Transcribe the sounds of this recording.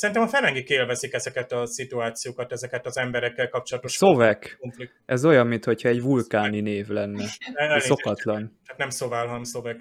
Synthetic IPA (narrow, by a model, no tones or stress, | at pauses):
sɛɾint̪ɛmɒfɛnɛŋɡikeːlvɛzikɛzɛkɛt̪ɒsit̪uaːt̪sijoːkɒt̪ɛzɛkɛt̪ɒzɛmbɛɾɛkːɛlkɒp̚t͡ʃolɒt̪oʃʃsovɛk | ɛzo̞jɒmːint̪ho̞cʰhɒɛɟvulkaːnineːvlɛnːɛɛo̞kɒt̪lɒnt̪aːt̪nɛmsovaːlɦɒnɛmsovɛk